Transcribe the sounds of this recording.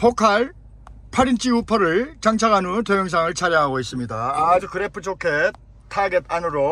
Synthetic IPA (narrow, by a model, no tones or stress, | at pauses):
pokʰaɭ | pʰaɾint͡ɕʰiupʰʌɾɯɭt͡ɕaŋt͡ɕʰaɡanɯntojʌŋs̬ʰaŋɯɭt͡ɕʰaɾjʌɦaɡois͈ɯmɲidaːd͡ʑukɯɾepʰɯt͡ɕʰokʰe | tʰaɡet̚ʰanɯɾo